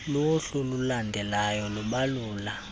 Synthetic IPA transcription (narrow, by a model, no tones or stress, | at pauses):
loɬululandʱɛlajɔluɓaluːla